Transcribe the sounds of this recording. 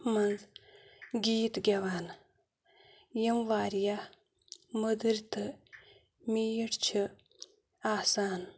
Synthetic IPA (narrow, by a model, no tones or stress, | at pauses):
mɐnz | ɡʲiːt̪ɡʲɐʋaːn | jɐmʋaːɾja | mud̪ɨɾʲt̪ɨ | mijiʈt͡ʃʰi | aːsaːn